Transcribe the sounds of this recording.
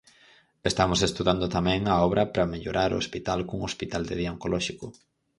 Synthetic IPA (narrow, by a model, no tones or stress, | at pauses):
est̪amosest̪uðand̪ʊt̪amɛ̃ŋɐɔβɾɐpɾɐmeʎoɾʔaɾo̰ospit̪alkuŋospit̪ald̪ɪðjaŋkolɔʃikʊ